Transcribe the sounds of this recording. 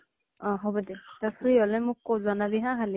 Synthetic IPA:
ɔ̃ɦɔbɔd̪et̪apʰɹiɔlɛmʊkːozɔnabiɦãɦali

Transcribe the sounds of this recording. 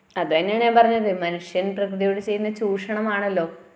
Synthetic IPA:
ɐðʋɐɲːɐɳepɐrɐɲːɐðɨmɐnuʂjɐnprɐkrɨðijoɽet͡ɕe̞jːunːɐt͡ɕuːʂɐɳɐmaːɳɐlːo̞ː

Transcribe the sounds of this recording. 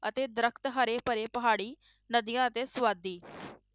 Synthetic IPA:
ət̪eːd̪əɾəkʰt̪ɦəɾeːpəɾeːpəɦaːɽiː | nəd̪ɪjãːət̪eːswaːd̪ːiː

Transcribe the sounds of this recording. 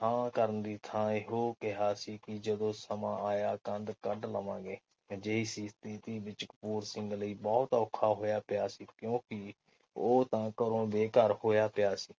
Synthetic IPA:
ãːkəɾənd̪iːt̪ʰãːeɦoːkɪɦaːsiːkɪd͡ʒəd̪õːsəmãːaːjaːkənd̪kəɖləʋãːɡeː | d͡ʒəiːsiːst̪ʰiːt̪iːʋɪt͡ʃkpuːɾsɪ̃ŋɡləiːbɔːt̪oːkʰːaːɦoːjaːpɪjaːsiːkjõːkɪ | oːt̪ãːkəɾõːbeːkəɾhoːjaːpɪjaːsiː

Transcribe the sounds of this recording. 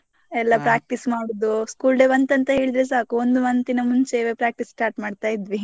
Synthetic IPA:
ɛlːɐpɾaːk̚ʈismaːɽod̪uskuːlɖeʋɐnt̪ɐnt̪ɐɦe̞ːɭid̪ɾes̬aːkuond̪umɐnt̪inɐmunseːʋepɾaːk̚ʈissʈaːɾʈmaːɖt̪aːjid̪ʋi

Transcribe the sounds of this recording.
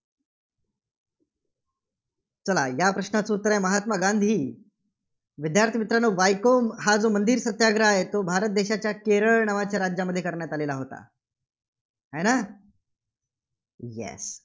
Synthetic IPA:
t͡səlajapɾəɕnat͡sot̪ːəɾajməɦat̪maɡand̪ʱiː | ʋid̪jaɾt̪ʰimit̪ɾanoʋajkomɦad͡zomənd̪iːɾsət̪jaɡɾəaɦet̪obʱaɾət̪̚d̪eɕat͡ɕjakeɾəɭnaʋat͡ɕjaɾad͡ʑjaməd̪ʱːjekəɾɳjat̪alelaɦot̪a̰ | ɦajna | jɛ̰s

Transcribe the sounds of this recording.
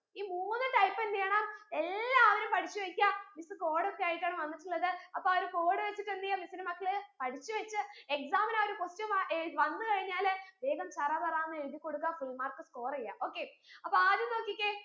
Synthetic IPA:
iːmuːmonːɨʈɐjpːend̪ejaːɳamelːaɐʋɐnumpɐʈʰit͡ɕːuʋekʲːamisɨko̞ːɽɨekʲːaːɻikʲːaːɳɐmʋɐnːitːuɭːɐðɨɐpːoɐɐɾuko̞ːɽɨʋet͡ɕːiʈːend̪ijamisinɨmɐkːɐɭɨpɐʈʰit͡ɕːuʋet͡ɕːɨeksaːmɐnaːoɾupostɐmʋɐnːɨkɐɻiɲːaːlʋeːɡɐmt͡ɕɐrɐbɐraːnːɨiðikːo̞ɽukːafilmaːrkːɨsko̞ːrejːa̰ːʔo̞ːkːe̞ːɐpːoaːd̪jinːo̞ːkːikʲːe

